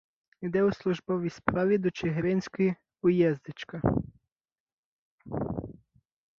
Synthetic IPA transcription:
id̪ɛʊslˠʊʒbɔʋʲispɾɑʋʲid̪ɔt͡ʃeɦɾɪnʲsʲkɔji | ʊjɛzd̪ɪt͡ʃkɐ

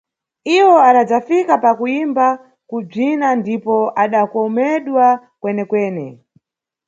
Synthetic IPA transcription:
iwɔaɗad͡zafikapakuimba | kub͡ʐinandipɔʔaɗakɔmɛɗwa | kwɛnɛkwɛːnɛ

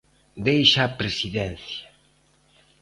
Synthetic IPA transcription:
d̪ejʃapɾesiðɛn̟θja

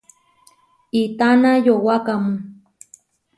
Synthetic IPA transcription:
it̪anajowakamu

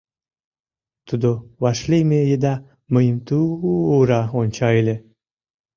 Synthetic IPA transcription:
t̪ud̪oβɑʃlejmejed̪ɑ | məjəmt̪uːɾɑonʲt͡ɕɑelʲe

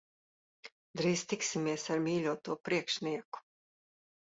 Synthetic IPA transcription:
d̪ɾiːst̪iksimiɛsaɾmiːlʲuɔt̪uɔpɾiɛkʃniɛku̥

